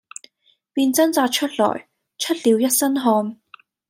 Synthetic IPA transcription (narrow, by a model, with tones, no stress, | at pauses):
piː˧nt͡sɐ˥nt͡saː˧t̚t͡ʃʰɵ˥t̚lɔ̰ː˨˩j | t͡ʃʰɵ˥t̚liː˨˧wjɐ˥t̚sɐ˥nɦɔː˧n